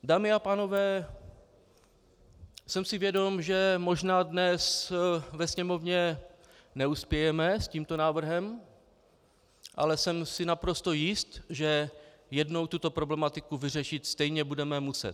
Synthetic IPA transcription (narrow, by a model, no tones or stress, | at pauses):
daːmɪapaːno̞vɛː | sɛmsɪvjɛdo̞mʒɛmo̞ʒnaːdnɛsvɛsɲɛmo̞vɲɛ | nɛuspjɛjɛmɛsciːmt̪o̞naːvr̩ɦɛm | ʔa̰lɛsɛmsɪnapɾo̞st̪o̞jɪst̪ʒɛ | jɛdno̞wt̪ut̪o̞pɾo̞blɛmat̪ɪkuvɪrɛʃɪt̪st̪ɛjɲɛbudɛmɛmusɛ̰t̪